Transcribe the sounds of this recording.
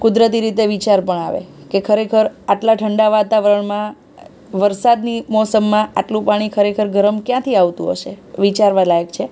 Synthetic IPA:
kʊd̪ɾət̪̬iɾit̪eʋit͡ʃaɾpəɳa̰ʋḛkekʰəɾekʰəɾaʈlaʈʰəɳɖaʋat̪aʋəɾəɳmã | ʋəɾsad̪nimɔsəmːãaʈlũpaɽ̃ikʰəɾekʰəɾɡʱəɾəmkjãt̪ʰiaʋt̪ṵ̃ɦə̰ʃeʋit͡ʃaɾʋãlajəkt͡ʃʰe

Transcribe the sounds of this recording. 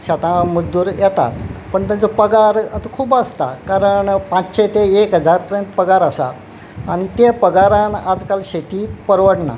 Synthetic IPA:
ɕat̪ãməd͡zd̪uːɾjɛt̪a̰t̪̚pəɳt̪ãd͡zəpəɡaɾət̪əkʰuːbəst̪a̰kaɾəɳpãt͡sɕet̪eekɦəd͡zaɾpəɾjənt̪pəɡaɾəsa̰ː | ñit̪epəɡaɾãnad͡zkalɕet̪iːpəɾʋəɽna̰

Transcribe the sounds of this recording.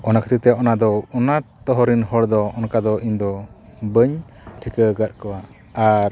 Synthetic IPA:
ɔnakʰə̥t̪ʰik̚t̪ɛjaʔɔnad̪ɔɔnat̪ɔɦɔɾinɦɔɽd̪ɔɔnkad̪ɔʔiɲd̪ɔ | bəɲ | ʈʰikəɡət̪̚kɔwa | aɾ

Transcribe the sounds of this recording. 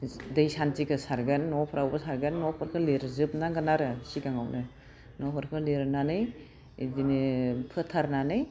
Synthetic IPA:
dɯjsantikʰɯsaɾɡanːɔpʰɾawbɐsaɾɡanːɔpʰɯɾkʰɯleɾzɯp̚naɡanaɾɯsiɡaŋawnɯ | nɔpʰɯɾkʰɯleɾnanɯj | zinepʰɯtʰaɾnanɯj

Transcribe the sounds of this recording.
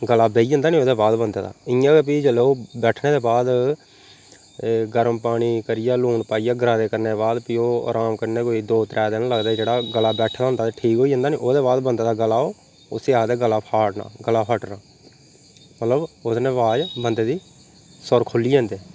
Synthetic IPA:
ɡəlaːbeːiːd͡ʒə̃ːnd̪aːnĩːoːd̪eːbaːd̪bənd̪aːd̪a̰ːɪjãːep̬iːd͡ʒəloːbɛːʈʰneːd̪eːbaːd̪ | ɡəɾəmpaːɽ̃iːkəɾɪjaːluːɳpaːijaːɡɾãːd̪eːkəɾneːbaːd̪piːoːɾaːmkəɾneːkoːiːd̪oːt̪ɾʔɛːd̪eːnːləɡd̪aːɛd͡ʒeːɽaːɡəlːaːbɛːʈʰd̪aːʊ̃nd̪aːt̪eːʈʰiːkɦoːiːd͡ʒə̃ːnd̪aːnĩːʔoːd̪eːbaːd̪bənd̪aːd̪aːɡəlaːoː | ʊseːaːd̪eːɡəlaːpʰaːʈna̰ːɡəlaːpʰəʈnaː | mət̪ləbʊsnẽːʋaːd͡ʒbənd̪eːd̪iː | sɔɾkʰʊlːiːd͡ʒɛ̃ːnd̪eː

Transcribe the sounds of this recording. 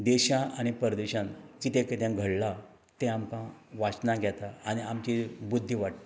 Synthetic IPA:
d̪eɕãʔañipəɾd̪eɕãnkit̪ẽkət̪jãɡʱəɽla | t̪ẽamkãʋat͡ɕnaɡʱjat̪aañiamt͡ɕibud̪ʱːiʋaʈt̪i̥

